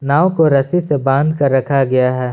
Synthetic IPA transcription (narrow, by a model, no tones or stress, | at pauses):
naːokoɾɐsisebãːnd̪ʱkɐɾːɐkʰaɡɐjaɦɛː